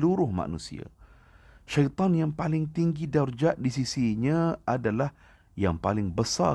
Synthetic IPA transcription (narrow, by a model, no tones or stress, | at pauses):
luɾʊhmã̰nṵ̃sḭa̰ | ʃait̪ɔnjaŋpalɪŋt̪iŋɡidard͡ʒaʔdisisiɲãadalah | ja̰ŋpalɪŋbəsa̰